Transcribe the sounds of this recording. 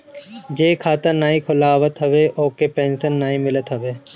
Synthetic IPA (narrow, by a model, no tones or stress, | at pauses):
d͡ʒeːkʰaːt̪ɐnaːĩkʰʊlaːʋət̪ɦɐʋeʔoːkepẽːnsənːaːĩmɪlət̪ɦɐʋeː